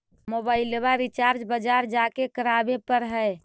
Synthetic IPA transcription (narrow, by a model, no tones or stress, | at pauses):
mobaɪlːebaɾit͡ʃaɾd͡ʒbəd͡ʒaɾd͡ʒakekəɾabepəɾɦəe